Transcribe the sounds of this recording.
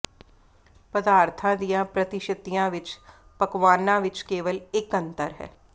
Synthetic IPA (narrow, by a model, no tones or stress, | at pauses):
pəd̪aːɾt̪ʰãːd̪ijãːpɾət̪ɪʃət̪ijãːʋɪt͡ʃ | pəkʋaːnãːʋɪt͡ʃkeːʋəlɪkə̃nt̪əɾɦɛ̰ː